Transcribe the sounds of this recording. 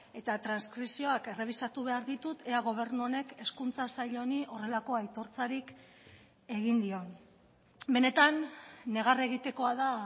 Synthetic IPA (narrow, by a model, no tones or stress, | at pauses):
e̞t̪at̪ɾanskɾisio̞ake̞re̞β̞isat̪uβe̞aɾðit̪ut̪e̞aɣ̞o̞β̞e̞ɾnuo̞ne̞ke̞skunt͡sasajʎo̞niʔo̞re̞lako̞ajt̪o̞ɾt͡saɾik | e̞ɣind̪io̞n | be̞ne̞t̪anːe̞ɣare̞ɣit̪e̞ko̞aða